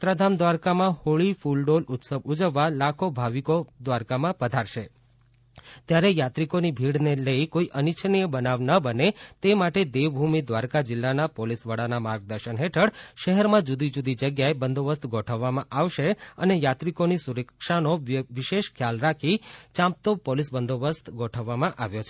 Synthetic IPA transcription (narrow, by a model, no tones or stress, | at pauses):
t̪ɾəd̪ʱamd̪ʋaɾkamãhoɭifulɖolʊt̪səbud͡ʒəʋːalakʰobʱaʋikod̪ʋaɾkamãpəd̪ʱaɾʃe | t̪jaɾejat̪ɾikonibʱiɽneləikoiʔənit͡ʃʰnijəbənaʋnəbənet̪emaʈed̪eʋbʱumid̪ʋaɾkad͡ʒɪlːanapolisʋəɽanamaɾɡ̚d̪əɾʃənɦeʈʰəɽʃəɦɛɾmãd͡ʒud̪id͡ʒud̪id͡ʒəɡjaebənd̪oʋəst̪ɡɔʈʰəʋːamãʔaʋʃeənejat̪ɾikonisuɾəkʃanoʋiʃeʃkʰjalɾakʰit͡ʃãmp̚t̪opolisbənd̪oʋəst̪ʰɡɔʈʰəʋːamãʔaʋjot͡ʃʰe